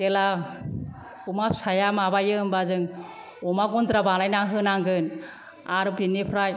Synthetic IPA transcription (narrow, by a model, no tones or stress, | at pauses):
tela | kumap̚sajamabajɯmbazɯŋ | ɔmaɡɔnt̪ɾabalajnaŋɦɯnaŋɡɯn | aɾɯpinepʰɾaj